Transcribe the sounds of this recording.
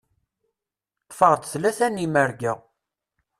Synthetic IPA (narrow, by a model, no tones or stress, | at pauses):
tːˤfəʁt̪θlæsænːimæɾɡə